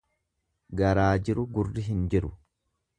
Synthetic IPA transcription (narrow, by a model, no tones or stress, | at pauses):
ɡɐɾaːd͡ʒɪɾʊɡʊrːɪɦɪnd͡ʒɪɾʊ